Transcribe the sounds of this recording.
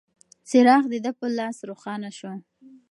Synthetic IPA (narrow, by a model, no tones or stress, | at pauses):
sɪɾɑxd̪əd̪əpəlɑsɾoxɑnaʃo